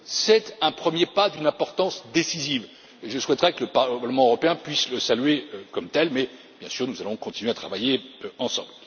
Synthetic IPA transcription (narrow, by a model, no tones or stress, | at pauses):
sɛt̪ɛ̃pχəmjepad̪ynɛ̃pɔʁt̪ɑ̃sd̪esiziv | ʒəswɛt̪ʁɛkələpaʁləmɑ̃øʁɔpeɛ̃pɥisləsalɥekɔmt̪ɛlmɛ | b̥jɛ̃syʁnuzalɔ̃kɔ̃t̪inɥeat̪χavajeɑ̃sɑ̰̃bl